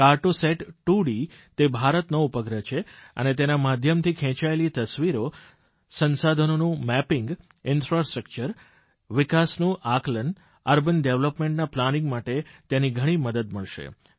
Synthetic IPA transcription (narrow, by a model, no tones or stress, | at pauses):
kaɾʈoseʈʈuɽi | t̪ebʱaɾət̪noupəɡɾət͡ʃʰeə̰net̪enamad̪ʱjəmt̪ʰikʰɛ̃t͡ʃaelit̪əsʋiɾo | sənsad̪ʱənonũmɛpɪŋɡ | ɪnfɾasʈɾəkt͡ʃəɾ | ʋɪkasnũʔaklən | əɾbənɖeʋləpmẽɳʈnaplanɪŋɡmaʈet̪jeniɡʱəɽ̃iməd̪əd̪məɭʃḛ